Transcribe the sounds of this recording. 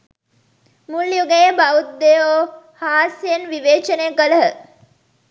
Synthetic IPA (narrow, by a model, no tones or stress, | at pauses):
muljuɡejəbaut̪̚d̪eoː | haːsjenʋiʋeːt͡ʃəneəkələɦə